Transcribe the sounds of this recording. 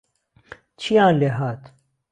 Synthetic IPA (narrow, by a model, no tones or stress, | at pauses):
t͡ɕʰijãːnleɦaːt̪